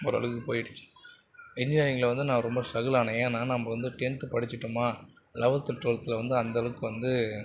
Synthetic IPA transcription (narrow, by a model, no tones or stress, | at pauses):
ɔɾɯɐ̰ɭɯɣɯpoːjɪʈːɯ̥t͡ʃːɯ̥̃ | ɪnd͡ʒɪaːɾɪŋɡɐlɐʋɐnd̪ɯnaːɾɔmbɐsɐɣɯlaːnɐjẽːnːaːnɐmːɐʋɐnd̪ɯʈɛɳt̪ɯpɐɽɪt͡ʃːɪʈːɯmaː | lɐʋɐt̪ːɯʈɾoːlt̪ːɪlɐʋɐnd̪ɯɐnd̪ɐɭɯkːɯʋɐnd̪ɯ